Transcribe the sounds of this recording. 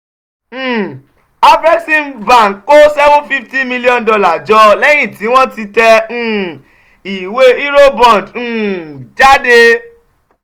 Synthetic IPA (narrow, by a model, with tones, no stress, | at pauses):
a˧bɾɛ˦ksi˦nva˨n̩˨ko˦sɛ˦vũ˦fi˦fti˦mĩ˦˧li˦ɔ̃˦˨n˨dɔ˧la˦˨d͡ʒɔ˧˦lɛ˦j̃ĩ˦˨ti˨˦w̃ɔ̃˦ti˧tɛ̃˧˨ | i˨we˦i˦ɾo˦bɔ̃˨d̩̃˨d͡ʒa˦de˧